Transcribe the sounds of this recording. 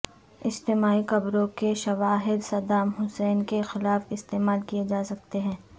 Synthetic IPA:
ɪd͡ʒt̪eːmaːikɐbɾõkeʃɐʋaːɦɪd̪sɐd̪aːmɦʊsɛːnkexɪlaːfɪst̪eːmaːlkijed͡ʒaːsɐk̚t̪eɦɛ̃ː

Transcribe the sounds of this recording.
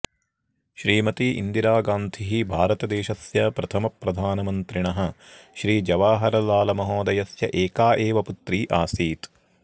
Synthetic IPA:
ʃɾiːmɐt̪iʔḭnd̪iɾaːɡaːnt̪ʰiɦibʱaːɾɐt̪ɐd̪eːʃɐsjɐpɾɐt̪ʰɐmɐpːɾɐd̪ʱaːnɐmɐnt̪ɾiɳɐɦɐʃɾiːd͡ʒɐʋaːɦɐɾɐlaːlɐmɐɦoːd̪ɐjɐsjɐ̰ʔeːkaːʔeːʋɐput̪ɾiːʔaːsiːt̪

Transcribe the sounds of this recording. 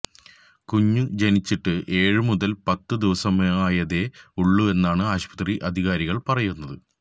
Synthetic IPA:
kuɲːud͡ʑenit͡ɕːiʈːɨʔe̞ːɻɨmuðɐlpɐt̪ːɨd̪iʋɐsɐmaːjɐðe̞uɭːue̞nːaːɳɨaːɕpɐ̥t̪riʔɐd̪ʱiɣaːɾiɣɐɭpɐrɐjunːɐðɨ

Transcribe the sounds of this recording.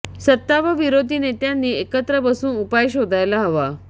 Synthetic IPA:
sət̪ːaʋəʋiɾod̪ʱiːnet̪janːiːekət̪ɾəbəsuːnupajɕod̪ʱajlaɦəʋa

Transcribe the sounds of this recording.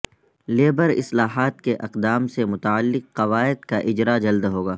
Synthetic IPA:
leːbəɾɪ̰slaːɦaːt̪̚keʔɐqd̪aːmsemʊt̪aəlːɪqːɐʋaːɪd̪kaʔɪd͡ʒɾad͡ʒɐld̪ɦoːɡaː

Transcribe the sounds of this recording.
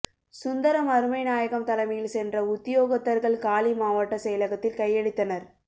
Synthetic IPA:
sʊnd̪ɐɾɐmɐɾɯmɐɪnaːjɐɣɐmt̪ɐlɐmɐjɪlsɛndrɐʊt̪ːɪjoːɣɐt̪ːɐɾɣɐɭkaːlimaːʋɐʈːɐsɛjɐlɐɣɐt̪ːɪlkɐjːɛɽɯt̪ːɐnɐɾ

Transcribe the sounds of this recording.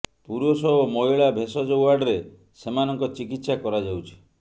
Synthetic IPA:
puɾosɔomɔjɭabʱesɔd͡ʒɔwaɾɖɔɾe | semanɔŋkɔt͡ʃikit̪sakɔɾad͡ʒawt͡ʃʰi̥

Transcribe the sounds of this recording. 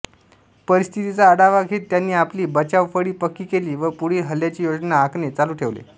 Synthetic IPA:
pəɾist̪ʰit̪it͡saːɽaʋaɡʱiːt̪janːiːapliːbət͡ɕaʋfəɽiːpəkːiːkeliːʋəpuɽ̤iːɦəljat͡ɕiːjod͡ʑnaːknet͡saluːʈʰeʋlḛ

